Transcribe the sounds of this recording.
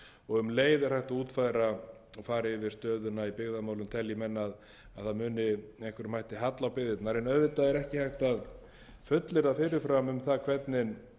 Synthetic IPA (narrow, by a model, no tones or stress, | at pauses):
ɔɣʏmleːjðʏ̥hajht̪auːt̪fajðɾa | faːɾɪvɪɾ̥st̪œːðʏnaipɪɣðamaːwlʏmt̪ʰɛljɪmɛnːað | aðθaðmʏːnɪɛhkvɛɾmajht̪ɪɦat̪lawpɪðɪt̪naɾɛnœvɪt̪aðɛɾɛhcɪhajht̪að | fʏt̪lɪɾafɪɾɪɾfɾamʏmθakʰvɛt̪nɪn